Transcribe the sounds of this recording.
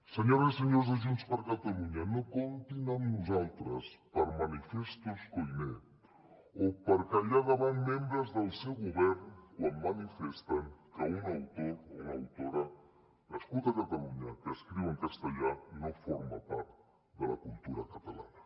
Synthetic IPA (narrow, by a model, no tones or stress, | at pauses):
səɲoɾəzisəɲozðəʒunspəɾkət̪əluɲənokont̪inəmnuzalˠt̪ɾəspəɾmənifest̪uskojne | opəɾkəʎaðəβanmembɾəzðəlˠsewɣuβɛɾnkwammənifɛst̪əŋkəunəwt̪ounəwt̪oɾə | ləskulˠt̪əkət̪əluɲəkəːskɾiwəŋkəst̪əʎanofoɾmə̰pa̰ɾt̪ | d̪ələ̰kulˠt̪uɾə̰kət̪əla̰nə